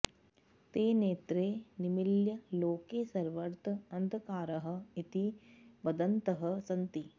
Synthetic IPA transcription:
t̪eːneːt̪ɾeːnimiljɐloːkeːsɐɾʋɐɾt̪ɐnd̪ʱɐkaːɾɐɦɐ̆it̪iʋɐd̪ɐnt̪ɐɦɐ̆sɐnt̪i

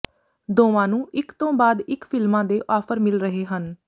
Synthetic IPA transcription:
d̪oːʋãːnũːʔɪkt̪õːbaːd̪ɪkpʰɪlmãːd̪eːʔɔːpʰəɾmɪlɾəɦeːɦən

